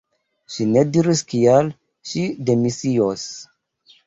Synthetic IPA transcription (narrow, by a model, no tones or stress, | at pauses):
ʃinediɾiskial | ʃidemisios